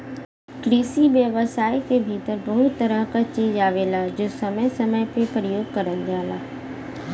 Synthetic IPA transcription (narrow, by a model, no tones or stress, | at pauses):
kɾiːsiʋjəʋəsaːikebʱiːt̪əɾbɐɦʊt̪ːəɾəɦkat͡ʃiːd͡ʒaːʋeːlad͡ʒoːsɐməjsɐməjpepɾəjoːɡ̚kɐɾəld͡ʒaːlaː